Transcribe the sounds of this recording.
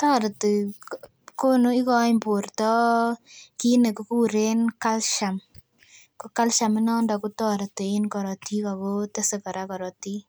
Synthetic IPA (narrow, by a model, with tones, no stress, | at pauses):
tɔ˦ɾt | ko˦nu˦i˦kɔ˦jmbo˨ɾtɔ˦ | ki˦ne˨ko˦kuː˦ɾe˦nka˦lʃa˨m | ko˦ka˦lʃa˨mi˦nɔ˦ndɔ˨ku˦tɔ˦ɾte˨e˦nkɔ˨ɾɔ˨ti˦ka˨ko˦te˦se˨kɔ˨ɾa˦kɔ˨ɾɔ˨ti˦